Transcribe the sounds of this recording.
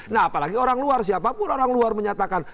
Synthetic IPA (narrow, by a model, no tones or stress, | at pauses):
naɦapalaɡioɾaŋluarsiapapʊnoɾaŋluarməɲat̪akan